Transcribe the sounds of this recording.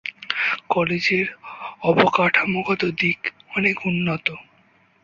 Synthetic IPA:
kɔled͡ʑeɾɔbokaʈʰamoɡɔt̪od̪ikɔnekunːot̪o

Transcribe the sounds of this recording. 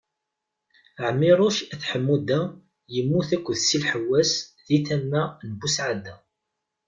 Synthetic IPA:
ʕmːɪɾˤʊʃæθħəmːud̪æ | jəmːuθækʷːəðsilħəwːæsðiθæmːænəbusʕad̪æ

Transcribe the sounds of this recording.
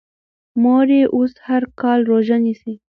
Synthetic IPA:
moɾeʔoshaɾkɑlɾoʒanisi

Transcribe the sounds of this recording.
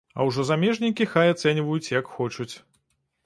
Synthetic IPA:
ɐ̰wʐɔzamʲɛʐnʲikʲixajat̪sɛnʲvɐjut͡sʲjɐkxɔt͡ʂut͡sʲ

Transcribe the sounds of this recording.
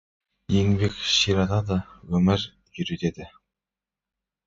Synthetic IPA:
jeŋbekʲʃiɾɑt̪ɑd̪ɑwɵmɪɾ | jʏɾet̪ed̪ɪ

